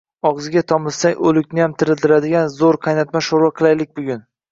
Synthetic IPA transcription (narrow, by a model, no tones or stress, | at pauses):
ɒʁzɪɡʲat̪ʰɒmɪssaŋʔɵlɪkʲnɪjamt̪ʰɪɾɪld̪ɪɾad̪ɪɡʲanzoɾqʰɑjnat̪maʃoɾwaqʰɨlˠajlɪk̚ʲbʊɡʲʊn